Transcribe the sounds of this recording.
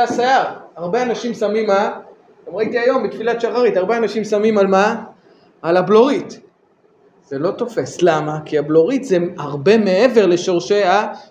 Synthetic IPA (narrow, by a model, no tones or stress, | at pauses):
asaaʁaʁbe̞anaʃimsamima | amʁaitiajo̞mbitfilatʃaχaʁitaʁbeanaʃimsamimalmaː | labloʁit̪ | z̥elo̞t̪o̞fe̞slamakiablo̞ʁit̪zeaʁbe̞me̞eve̞ʁle̞ʃo̞ʁʃea